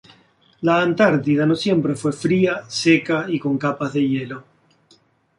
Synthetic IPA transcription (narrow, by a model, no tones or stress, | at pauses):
laːnt̪aɾt̪iðano̞sje̞mpɾe̞fwe̞fɾiase̞kaiko̞ŋkapazðe̞je̞lo̞